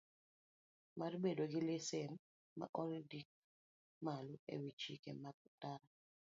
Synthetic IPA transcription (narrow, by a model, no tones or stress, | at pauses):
marbedoɡɪlesɛn | ma̰ʔɔɾdik̚ | maluḛwit͡ʃikemaɡ̚taɾa